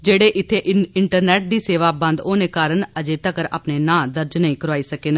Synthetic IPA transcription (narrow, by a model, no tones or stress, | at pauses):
d͡ʒeːɽeːʔɪt̪ʰːeːʔɪɳʈəɾnɛːʈ̚d̪iːseːʋaːbə̃nd̪oːneːkaːɾənəd͡ʒeːt̪əkəɾa̰ːpneːnãːd̪əɾd͡ʒnəĩːkəɾaːiːsəkeːnã